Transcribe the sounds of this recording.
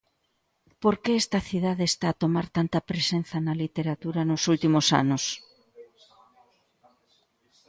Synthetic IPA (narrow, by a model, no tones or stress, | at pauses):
poɾkeɛst̪ɐθiðaðeːst̪aːt̪omaɾt̪ant̪ɐpɾesen̟θɐnɐlit̪eɾat̪uɾanosult̪imosa̰nos